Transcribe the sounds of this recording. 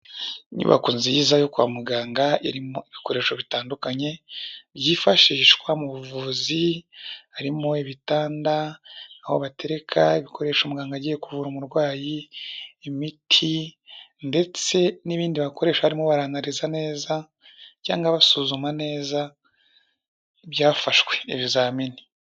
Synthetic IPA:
ɲṵβa̰kuːnzijizajokua̰muɡaːŋɡaiɾimoiβiko̞ɾe̞ːʃo̞βitaːndukaɲe̞βjiːfaʃiːʃkwamuβuvuːzi | aɾimo̞iβitaːndanahoβate̞ɾe̞kʰaiβikʰo̞ɾe̞ːʃumuɡaːŋɡaɟijekuvuɾumuɾɡwaːjiː | mitʰi | nde̞t͡se̞niβiːndiβako̞ɾe̞ːʃwahaɾimoβaɾaːŋɡaɾizane̞ːza | ca̰ːŋɡaβasuzumane̞ːza | βjaːfaʃwe̞iβizaːmini̥

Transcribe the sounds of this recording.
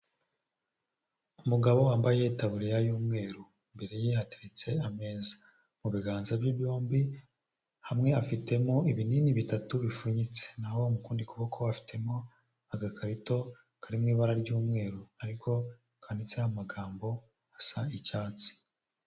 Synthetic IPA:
umuɡaβo̞waːmbaje̞itaβuɾijajuːmŋe̞ːɾu | imbe̞ɾe̞jihati̥ɾit͡se̞ame̞ːzḁ | muβiɡaːnzabjibjo̞ːmbi | hamŋe̞afite̞mo̞iβininiβitatuβifuɲit͡senaho̞mukuːndikuβokʰoafi̥tʰe̞mo̞ | aɡakʰaɾito̞ | kaɾimŋiːβaɾaɾɟuːmŋe̞ːɾuaɾikʰo̞ | kʰanit͡sehamaɡaːmbo̞ | hasaicaːt͡si̥

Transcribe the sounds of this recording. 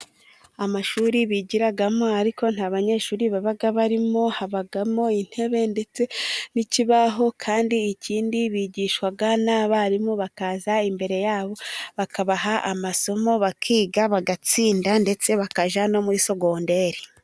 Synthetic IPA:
amaʃuːɾiβiɟiɾaɡamo̞aɾiko̞n̥haːβaɲe̞ʃuːɾiβaβaɡaβaɾimo̞haβaɡamo̞in̥he̞βe̞nde̞t͡se̞niciβaɦo̞kʰaːndiːcʰiːndiβiːɟiːʃwaɡanaβaɾimoβakaːzaimbe̞ɾe̞jaːβo̞βakaβaɦaʔa̰maso̞mo̞βakʰiːɡaβaɡat͡siːndande̞t͡se̞βakaʒano̞muɾiso̞ɡo̞ːnde̞ɾi

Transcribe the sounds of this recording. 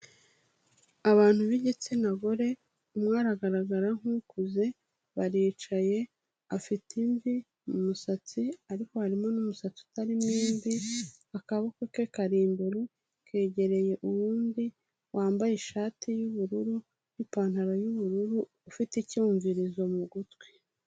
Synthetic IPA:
aβaːn̥huβiɟet͡senaɡoɾe̞ | umŋaːɾaɡaɾaɡaɾaŋ̥hukuze̞ | βaɾiːt͡ʃaje̞ | afitimvi | mumusat͡siaɾiko̞haɾimo̞numusat͡siu̥taɾimniːmvihakaβakekekaɾiːmbeɾu | kʰe̞ːɟe̞ɾe̞je̞ʔuwuːndi | wʔaːmbajeʃaːtijuβuɾuɾu | nipaːn̥haɾajuβuɾuɾuːfiticuːɱviɾizo̞muɡutwe

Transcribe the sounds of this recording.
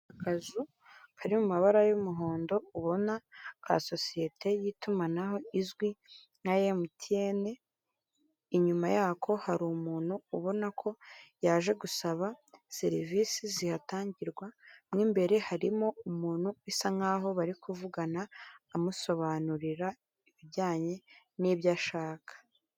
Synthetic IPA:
akazu | haɾimumaβaɾajumuɦo̞ːndo̞uβo̞naaa̰so̞sije̞tʰe̞jitumanaɦo̞izɡwi | ŋ̥ajemutʰije̞ne̞ | iɲumajaːkʰo̞haɾumuːn̥huːβo̞nakʰo̞jaːʒe̞ɡusaβase̞ɾiviːsizihataːɲɟiɾɡwamŋiːmbe̞ɾe̞haɾimo̞umuːnhuwisaŋaːɦo̞βaɾikuvuɡanaːmuso̞βanuɾiɾa | iβiɟaːɲe̞niːβɟaʃaːkʰḁ

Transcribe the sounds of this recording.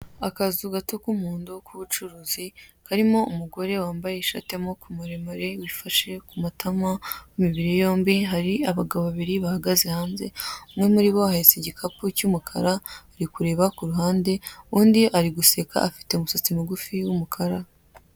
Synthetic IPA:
akazuɡatokumuːndukʰuβut͡ʃuɾuːzikaɾimo̞umuɡo̞ɾe̞waːmbaje̞iʃa̰te̞mo̞kʰumuɾe̞maɾe̞wifaʃe̞kumatʰamawimiβiɾijo̞ːmbiɦaɾiaβaɡaβoβaβiɾiβahaɡaze̞haːnze̞̰umŋe̞muɾiβo̞aheseɟikʰapucumukʰaɾaɾikuɾe̞ːβakuɾuɦaːnde̞uːndiʔaɾiɡuse̞ka̰ːfi̥te̞umusot͡simuɡufiwumukʰaɾa

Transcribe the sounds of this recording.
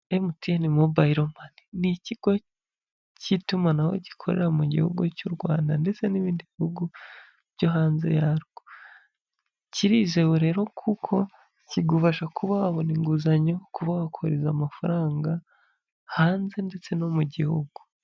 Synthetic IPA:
emutijanimobaiɾomaniniciɡ̥o̞ | citumanaho̰ɟikʰo̞̰ɾḛɾamuɟḭhuɡucuɾɡwaːndande̞t͡se̞niβiːndiβihuɡu | βɟo̞ɦaːnze̞̰jaɾɡ̥o | ciɾiʒewuɾe̞ːɾo̞kʰukʰo̞ | ciɡuβaʃakʰuβaβo̞niŋɡuzaɲo̞kuβawakʰo̞ɾezamafaɾaːŋɡa | haːnze̞nde̞t͡se̞no̞muɟihuɡ̥u

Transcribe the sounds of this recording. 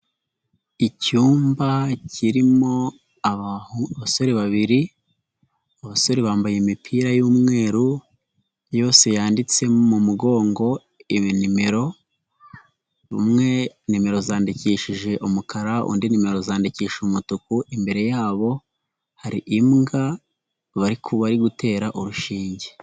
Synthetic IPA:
icuːmbaciɾimo̞ | aβaso̞ɾeβaβiɾi | aβaso̞ɾeβaːmbajemipʰiːɾajuːmŋe̞ːɾu | jo̞ːse̞jaːndit͡se̞mumuɡo̞ːŋɡo̞ | inime̞ɾo̞ | βṵmŋe̞nime̞ɾo̞zaːndiciːʃiʒe̞ʔumukʰaɾaṵːndinime̞ɾo̞zaːndiciːʃumutukuʔimbe̞ɾe̞jaːβo̞ | haɾḭʔimŋɡa | βaɾikʰuβaɾiɡute̞ːɾaʔuɾuʃiːɲɟe

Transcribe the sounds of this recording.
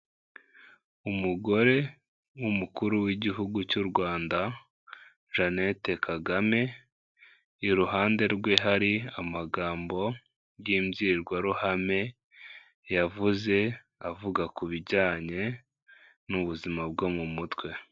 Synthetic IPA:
umuɡo̞ɾe̞ | wumukuɾuwiɟiɦuɡucuɾɡwaːnda | ʒane̞te̞kaɡame̞ | iɾuɦaːnde̞ɾɡwe̞ɦaɾiamaɡaːmbo̞ | jiːmɟiɾɡwaɾuhame̞ | javuze̞ | avuɡakuβiɟaːɲe̞ | nuβuzimab̚ɡomumutwe̞

